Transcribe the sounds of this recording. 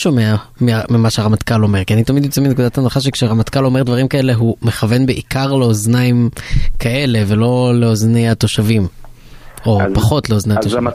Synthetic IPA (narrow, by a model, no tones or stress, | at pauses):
o̞meamiamimaʃeaʁamat̪kalo̞me̞ʁkianit̪amid̪jot͡seminekud̪at̪hanaχaʃekʃeaʁamat̪kalo̞me̞ʁdvaʁimkae̞le̞ɦume̞χave̞nbeʔikaʁleoznaimkʰaʔe̞le̞ve̞lo̞le̞oznejat̪o̞ʃavim | o̞paχo̞t̪leo̞znejat̪oʃ